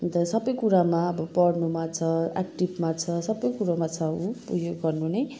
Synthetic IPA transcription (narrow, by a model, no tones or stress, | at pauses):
t̪ʌsʌbʌjkuɾamaʌbʌpʌɽnumat͡sʰʌa̰kʈibmat͡sʰʌsʌbʌjkuɾamat͡sʰʌũprujoɡɡʌrnunʌj